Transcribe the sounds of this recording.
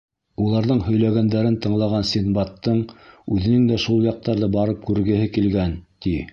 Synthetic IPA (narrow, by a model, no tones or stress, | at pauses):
ulˠɑɾðɤɴhɵ̆jlæɡænd̪æɾɘnt̪ɤ̆ɴlˠɑʁɑnsʲinbɑt̪ːɤɴʉðɘ̆nɘŋd̪æʃulˠjɑq̚t̪ɑɾðɤbɑɾɤp̚kʉɾɡɘ̆ɦɘkilɡænt̪i